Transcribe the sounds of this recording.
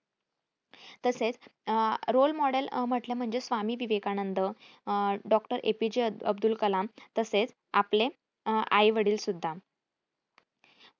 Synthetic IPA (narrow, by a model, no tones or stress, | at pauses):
t̪əset͡s | ɾolmɔɽelm̤əʈlem̤əɳd͡zesʋamiːʋiʋekanənd̪ə | ɖɔkʈəɾʔḛpid͡ʑeəbd̪ulkəlamt̪əset͡s | aple | a̰iʋəɽiːlsud̪ʱːa